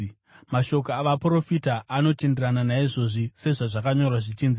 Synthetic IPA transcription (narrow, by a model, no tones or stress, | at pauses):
maʃo̞kaaʋapro̞fitaʔːno̞te̞nderananaiʐo̞ʐise̞ʐaʐakaɲo̞rwaʐit͡ʃiːnzi